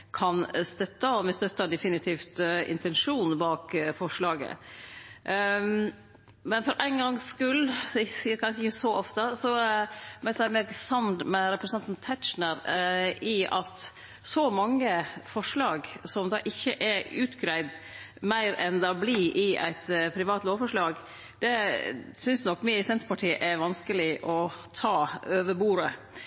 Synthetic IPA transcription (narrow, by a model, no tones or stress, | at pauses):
kʰɑnst̪œt̪ːəɔmɛst̪œt̪ːəd̪ɛfɪnɪt̪ʰiːft̪ɪ̰nt̪ɛnʂuːnbɑːkfɔʂɭɑːɡə̰ | mɛnfɔɾʔæɪnɡɑŋskʉlːsɔsiːəɾkʰɑnʂɪçəsɔɔft̪əsɔmæsæɪmɛɡsɑnd̪mɛɾɛpɾəsnɑnt̪nt̪ʰæt̪t͡ʃnəɾɪʔɑt̪ | sɔmɑŋːəfɔʂlɑːɡsɔmd̪ɑːʔɪçːəʔɛʉːt̪ɡɾæɪd̪ | mæɪɾɛnd̪ɛɔbliːʔɪʔæ̰ɪt̪pʰɾɪʋɑːt̪loːʋfɔʂɭɑːɡ | d̪̥ɛsʏnsnɔkːmɪsɛnt̪ɾəpɑʈʰiːʔɛɾʋɑnskəlɪʔɔt̪ʰɑːøːʋəbuːɾə